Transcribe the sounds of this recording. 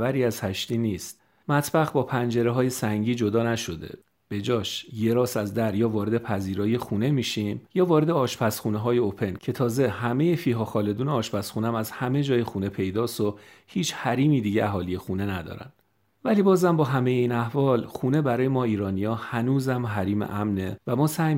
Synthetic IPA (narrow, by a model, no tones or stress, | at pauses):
væɾiːæz̥hæʃt̪iːniːst̪̚ | mæt̪ʰb̥æɣbɒːpʰænd͡ʒe̞ɾeɦɒːje̞sæŋɟiːd͡ʒo̞d̪ɒːnæʃo̞d̪e̞̰ | b̥e̞d͡ʒɒːʃje̞ɾɒːsæzd̪æɾjɒːvɒːɾe̞d̪epʰæziːɾɒːjexune̞miːʃiːmjɒːvɒːɾe̞d̪eɒːʃpʰæsxuːneɦɒːje̞opʰe̞ncʰe̞t̪ʰɒːze̞hæme̞je̞fiːɦɒːxɒːle̞d̪uːneɒːʃpæsχxuːnæmæzhæme̞d͡ʒɒːjexuːne̞pʰe̞jd̪ɒːso | hiːt͡ʃhæɾiːmiːd̪iːɟeæɦɒːlije̞xuːne̞næd̪ɒ̰ːɾæ̰n | væliːbɒːzæmbɒːɦæme̞jeiːnæhvɒːlxuːne̞bæɾɒːje̞mɒːiːɾɒːnijɒːhænuːzæmɦæɾiːmḛʔæmnevæmɒːsæj